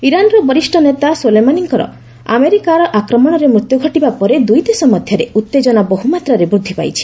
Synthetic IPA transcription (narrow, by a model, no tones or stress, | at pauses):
iɾanɾɔbɔɾisʈɔnet̪asulemaniŋkɔɾɔ̰ | a̰meɾikaɾɔʔakɾɔmɔɽ̃ɔɾemɾut̪juɡʱɔʈibapɔɾed̪ujd̪esɔmɔd̪ʱjɔɾeut̪ːed͡ʒɔnabɔɦumat̪ɾaɾebɾud̪ʱːipa̰jt͡ʃʰi̥